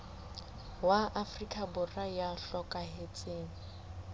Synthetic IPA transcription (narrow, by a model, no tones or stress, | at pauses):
waʔafrikʼabʊrajaɬɔkʼaɦet͡sʼeːŋ̩